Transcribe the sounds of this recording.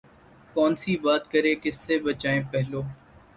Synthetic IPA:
kɔːnsiːbaːt̪kəɾẽːkɪsːeːbət͡ʃaːẽːpɛɦloː

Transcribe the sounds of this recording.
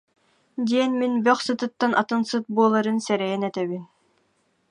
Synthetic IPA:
d̪iɛnminbœχsɯt̪ɯt̪ːanʔat̪ɯnsɯt̪̚buɔlˠaɾɯnsɛɾɛjɛnɛt̪ɛβin

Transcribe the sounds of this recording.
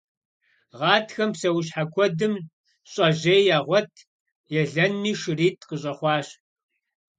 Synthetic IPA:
ʁɑːtʰxɐmpsɐwɕ̬ħakʷʰɔdɨm | ɕʼɐʑeːjjaːʁʷɔtʰ | jɛɮɐnmiːʃɨriːtʰqəɕʼɐχʷɑːɕ

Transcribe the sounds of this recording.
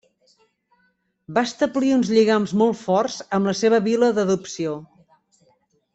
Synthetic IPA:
bast̪əbliunzʎiɣamzmɔlˠt̪fɔrz̥əmləseβəβiləðəðupsio

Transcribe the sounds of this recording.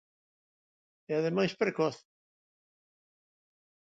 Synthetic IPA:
ɛaðemajspɾekɔθ

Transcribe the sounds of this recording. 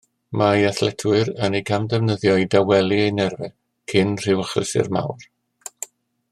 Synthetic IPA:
majaθlɛtʰwɨɾənejkʰamdɛvnəðjɔjdawɛlˠiejnɛrvɛ | kʰɪnr̥ɪwaχə̰sɪ̰rma̰wr

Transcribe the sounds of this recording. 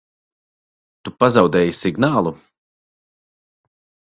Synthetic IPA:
t̪upazawd̪ɛːjisiɡnaːlˠu

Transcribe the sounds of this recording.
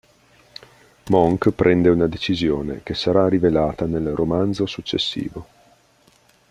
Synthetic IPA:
mɔŋkpɾʔɛnd̪eunad̪et͡ʃizjoːnḛk̟esaɾarivelaːt̪anelromand̪zosut͡ʃːesːḭːvo

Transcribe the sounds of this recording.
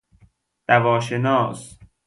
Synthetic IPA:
d̪̥ævɒːʃenɒːs

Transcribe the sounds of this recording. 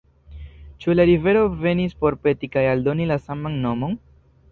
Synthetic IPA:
t͡ʃulaɾive̞ɾo̞ve̞nispo̞ɾpe̞tikajaldo̞nilasamanːo̞mo̞n

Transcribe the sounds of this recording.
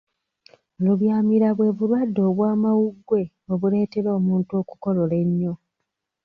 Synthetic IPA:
luβjaːmiɾaβwe̞βuɾwadːo̞ːβwaːmawuɡwe̞ | oβule̞ːte̞ɾo̞ːmuːntuo̞ːku̥ko̞lo̞le̞ɲːo̞

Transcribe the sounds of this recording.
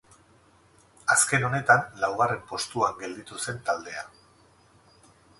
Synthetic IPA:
aske̞no̞ne̞t̪anlawɣ̞are̞mpo̞st̪uaŋɡe̞ld̪it̪use̞nt̪ald̪e̞a

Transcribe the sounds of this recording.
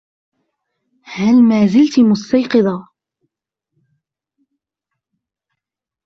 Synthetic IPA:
halmaːzɪlt̪mʊst̪ajqɨðˤɑ

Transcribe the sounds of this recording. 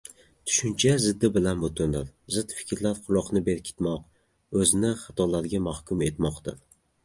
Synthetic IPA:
t̪ʰʊ̥ʃʊnt͡ʃʰazɪd̪ːɪbɪlanbot̪ʰʊnɪɾzɪd̪fɪ̥kʲɾlaɾqʰʊlˠɒqnɪbeɾkʲʰɪ̥t̪mɒq | ɵzɪnɪχɑ̥t̪ʰɒlaɾɡʲamahkʰʲʊme̞t̪mɒqt̪ʰa̰ɾ

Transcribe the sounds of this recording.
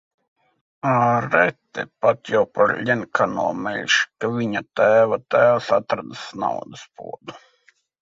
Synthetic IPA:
aɾɛt̪ːɛ̰pat̪jawpaɾlʲɛnkʰanṵɔmɛlʲʃkaʋʲiɲat̪æːvat̪æːʋasat̪ɾad̪asna̰wd̪aspṵɔd̪u

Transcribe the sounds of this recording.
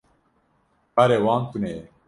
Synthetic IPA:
pɐɾewɑːnt̪une

